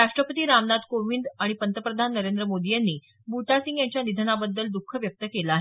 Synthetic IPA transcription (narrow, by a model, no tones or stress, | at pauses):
ɾaʂʈɾəpət̪iːɾamnad̪koʋind̪aɽ̃ipənt̪əpɾəd̪ʱanːəɾend̪ɾəmod̪ijanːiː | buʈasiŋɡjaɲt͡ɕjanid̪ʱənabəd̪ːəld̪ukʰːəʋjək̚t̪əkelaːɦe